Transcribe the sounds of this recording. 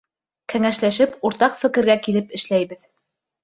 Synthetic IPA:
kæŋæʃlæʃɘpuɾt̪ɑqfɘ̆kɘ̆ɾɡækilɘpɘ̆ʃlæjβɘð

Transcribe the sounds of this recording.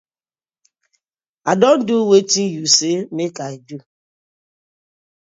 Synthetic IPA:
adɔn̩duwetijusemekaidu

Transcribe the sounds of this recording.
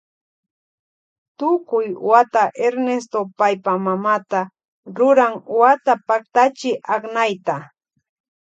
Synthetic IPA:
t̪ʊkʊjwat̪aʔeɾnest̪opajpamamat̪a | ɾʊɾaŋwat̪apak̚t̪at͡ʃɪʔaknajt̪a

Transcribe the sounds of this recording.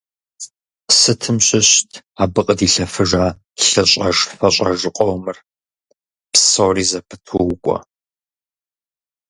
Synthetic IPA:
sɨtʰɨmɕɪɕtʰaːbɨqʼədiːɬɐfɨʒaː | ɬɐɕʼɐʒfɐɕʼɐʒɨqʼɔwmɨr | psowriːzɐpʰɨ̥tʰuwʊkʷʼɔ̰

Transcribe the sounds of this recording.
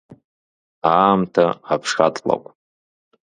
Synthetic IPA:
aːmtʰaapʰʂχatʼla̰kʷʼ

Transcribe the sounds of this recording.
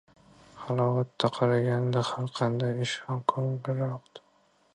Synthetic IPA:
hɑlˠɒwat̪ʰːaqʰɑlaɡʲand̪ahaɾqʰɑnd̪ajɪʃɒmkʰɒŋbɪɾɒqd̪ɪ

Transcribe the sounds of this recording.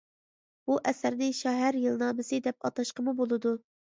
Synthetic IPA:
b̥uʔɛsæɾnɪʃɛɦæɾjɨlˠnɑːmɪsɨd̪ɛp̚ɑt̪ɑʃqəmubolˠɨd̪u

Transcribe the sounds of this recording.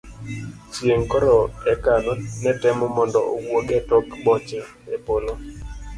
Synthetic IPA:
t͡ʃjeŋkɔɾɔɛkanɔnɛtɛmɔmɔndɔowoɡɛtɔkbɔt͡ʃa | epolo

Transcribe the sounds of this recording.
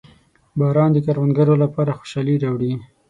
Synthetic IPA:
bɑɾɑnd̪əkaɾwanɡaɾolapɑɾaxo̥ʃɑliɾɑwɽi

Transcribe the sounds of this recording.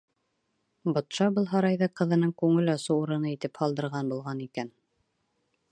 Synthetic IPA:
bŏt̪ʃɑbɤlˠɦɑɾɑjðɤqɤ̆ðɤ̆nɤɴkʉŋɘlɑsɤwuɾɤ̆nɤit̪ɘphɑlˠd̪ɤ̆ɾʁɑnbulˠʁɑnikæn

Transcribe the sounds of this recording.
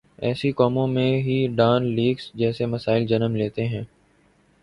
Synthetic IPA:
ɛːsikɔːmõmẽɦiɖaːnliːɡsd͡ʒɛːsemɐsaːɪld͡ʒɐnəmleːt̪eɦɛ̃ː

